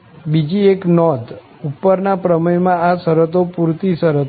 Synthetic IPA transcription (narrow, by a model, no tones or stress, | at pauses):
bid͡ʒieknɔd̪ | upːəɾnapɾəməjmãasəɾət̪opuɾt̪isəɾət̪